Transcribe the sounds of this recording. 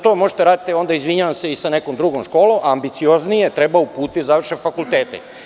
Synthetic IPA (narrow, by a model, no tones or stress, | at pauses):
t̪o̞ːmo̞ʒet̪eɾaːd̪it̪eo̞nd̪aizʋiɲaʋamse̞isane̞komd̪ɾuɡomʃko̞ːlomambit̪sio̞znije̞t̪ɾe̞baupuːt̪izaʋr̩ʃe̞fakulˠt̪eːt̪ḛ